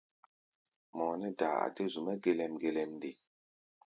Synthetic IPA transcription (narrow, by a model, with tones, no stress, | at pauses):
mɔ˨nɛ˦da˨a̰˨de˦zu˨mɛ˦ɡe˦lɛ˨mɡe˨lɛ˨mde˨